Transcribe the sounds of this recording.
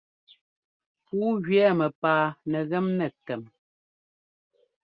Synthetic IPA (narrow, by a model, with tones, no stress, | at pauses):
puː˨˦ɣɥɛː˦mɛ˨paː˨nɛ˨ɣɛ˦mnɛ˨tɛ˨m